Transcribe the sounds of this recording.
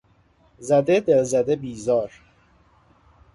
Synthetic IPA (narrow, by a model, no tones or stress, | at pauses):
zæd̪ed̪elzæd̪ebiːzɒːɾ